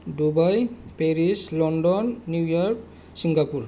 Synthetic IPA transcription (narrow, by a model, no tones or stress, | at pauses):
dubajpeɹislɔndɔnːujɔɹk̚ | siŋɡapuɹ